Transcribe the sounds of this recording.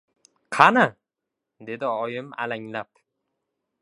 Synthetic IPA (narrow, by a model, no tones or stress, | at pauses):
qʰɑna | d̪e̞d̪ɪɒjɪma̰laŋlap